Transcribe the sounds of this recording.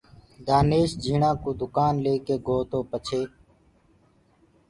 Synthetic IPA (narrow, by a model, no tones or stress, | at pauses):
d̪aːneːʃd͡ʒʱiːɳãːkoːd̪ʊkaːnleːkeːɡʱoːt̪õːpət͡ʃʰeː